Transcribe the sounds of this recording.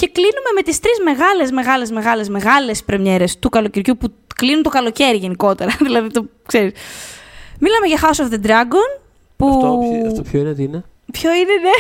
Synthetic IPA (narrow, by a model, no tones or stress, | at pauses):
ce̞klinume̞me̞t̪ist̪ɾizmeɣɐle̞zme̞ɣɐle̞zme̞ɣɐle̞zme̞ɣɐle̞spɾemɲe̞ɾe̞st̪ukɐlo̞ciɾʝupu | klinunt̪okɐlo̞ce̞ɾiʝe̞niko̞t̪eɾɐðilɐðit̪o | kse̞ɾis | milɐme̞ʝɐxɐosofðe̞d̪ɾɐɡon | pufoft̪opçoineðine | pçoineðe